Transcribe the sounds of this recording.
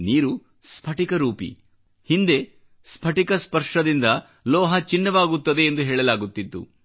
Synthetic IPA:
niːɾu | spʰɐʈikɐɾuːpḭ | hind̪e̞ | spʰɐʈikɐspɐɾʂɐd̪ind̪ɐ | lɔːɦɐt͡ʃinːɐʋaːɡut̪ːɐd̪e̞ːnd̪uɦeːɭɐlaːɡut̪ːit̪ːṵ

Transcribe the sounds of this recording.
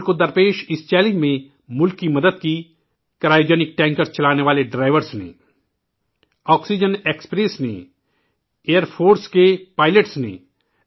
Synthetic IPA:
kod̪ɐɾpeːʃɪst͡ʃɛːlɪ̃ŋɡmẽ | mʊlkːimɐd̪əd̪̚ki | kɾaːjd͡ʒənɪk̚ʈɛ̃ːŋkəɾst͡ʃɐlaːneʋaːleɖɾaːɪʋəɾsnḛ̃ː | ɔːksid͡ʒəneːkspɾeːsnḛ | eːəɾpʰoːɾskepaːɪləʈsnḛ̃

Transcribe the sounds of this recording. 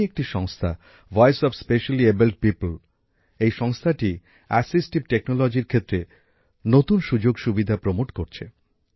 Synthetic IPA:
ek̚ʈiʃɔŋst̪ʰa̰ | vɔjsɔfspeʃaliebelʈ̚pipl | ejʃɔŋst̪ʰaʈi | ɛsisʈib̚ʈeknolɔd͡ʑiɾkʰet̪ːɾe | not̪unʃud͡ʑoɡʃubid̪ʱapɾomoʈkoɾt͡ɕʰe

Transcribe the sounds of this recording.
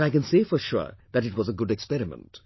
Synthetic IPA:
aɪkɛ̃nseːfə˞ʃʊ̰ɹðæʈɨʈwɔzəɡʊɖɛkspɛɾɪmə̰̃nt

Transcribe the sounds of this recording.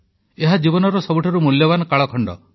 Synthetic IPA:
eɦad͡ʒibɔnɔɾɔsɔbuʈʰaɾumuljɔbanɔkaɭɔkʰɔɳɖɔ̰

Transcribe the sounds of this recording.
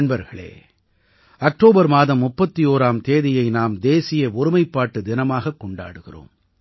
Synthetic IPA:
nbɐɾɣɐɭḛː | ɐk̚ʈoːbɐɾmaːðɐmːʊpːɐt̪ːioːɾaːmt̪eːðɪjɐɪnaːmd̪eːsɪjɐʊɾɯmɐɪpːaːʈːɯd̪ɪnɐmaːɣɐkːɔɳɖa̰ːɽɯɣɪro̰ːm

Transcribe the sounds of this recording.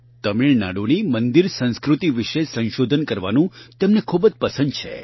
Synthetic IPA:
t̪əmiɭna̰ɽonimənd̪iɾsə̃ñskɾut̪iʋiʃesə̃ñʃod̪ʱənkəɾʋa̰nũt̪emnekʰubəd͡ʒpəsə̃nd̪̚t͡ʃʰḛ

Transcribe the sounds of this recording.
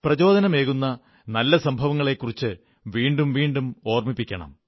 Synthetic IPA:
prɐt͡ɕo̞ːd̪ɐnɐme̞ːɣunːɐ | nɐlːɐsɐmbʱɐʋɐŋːɐɭe̞kːurit͡ɕːɨ | ʋiːɳɖumʋiːɳɖumo̞ːrmipːikʲːɐɳɐ̰m

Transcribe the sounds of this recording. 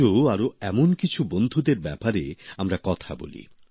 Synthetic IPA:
oaɾoɛmonkit͡ɕʰubond̪ʱud̪eɾbɛpaɾeamɾakɔt̪ʰabo̰lḭ

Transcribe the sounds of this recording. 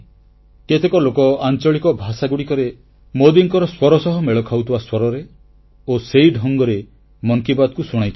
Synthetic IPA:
ket̪ʰekɔlokɔant͡ʃɔɭikɔbʱasaɡuɽikɔɾe | mod̪iŋkɔɾɔswɔɾɔsɔɦɔmeɭɔkʰawt̪ʰibaswɔɾɔɾe | osejɖʱɔŋɡɔɾe | mɔŋkibad̪ɔkusuɽ̃ajt̪ʰi

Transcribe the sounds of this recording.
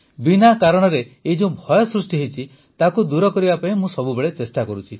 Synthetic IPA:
binakaɾɔɽ̃ɔɾeed͡ʒũũbʱɔjɔsɾusʈiɦeit͡ʃʰi | t̪akud̪uɾɔkɔɾibapaĩmũsɔbubeɭet͡ʃesʈakɔɾut͡ʃʰi

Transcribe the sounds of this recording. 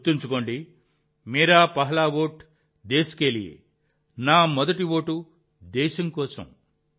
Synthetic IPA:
t̪ːuɲt͡ʃukoːɳɖi | miːɾaːpɐɦɐlaːʋoːʈ | d̪eːsi̥keliḛ | naːmɔd̪ɐʈiʋo̞ːʈu | d̪ɛːʃɐmkɔːsɐ̰m

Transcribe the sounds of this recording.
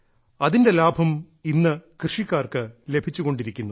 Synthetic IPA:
ɐðinde̞laːbʱɐm | inːɨkrɨʂikːaːrkɨle̞bʱit͡ɕːuɣo̞ɳɖiɾikʲːunːu

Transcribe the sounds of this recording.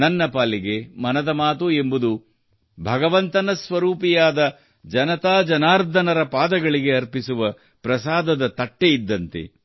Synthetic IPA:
nɐnːɐpaːliɡe̞mɐnɐd̪ɐmaːt̪ue̞mbud̪u | bʱɐɡɐʋɐnt̪ɐnɐsʋɐɾuːpijaːd̪ɐ | d͡ʒɐnɐt̪aːd͡ʒɐnaːɾd̪ʱɐnɐɾɐpaːd̪ɐɡɐɭiɡe̞ɐɾpisuʋɐ | pɾɐsaːd̪ɐd̪ɐt̪ɐʈːeid̪ːɐnt̪e̞̰

